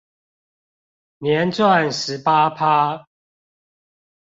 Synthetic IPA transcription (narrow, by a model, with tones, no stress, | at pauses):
njɛ˨˦nt͡swa˥˨nʂɻ̩˨˦pa˦pʰa˦